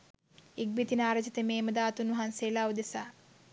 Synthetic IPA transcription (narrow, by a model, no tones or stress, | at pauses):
iɡ̚bit̪inaːɾɐd͡ʒit̪əmeːməd̪aːt̪unːuɦanseːlaːud̪esaː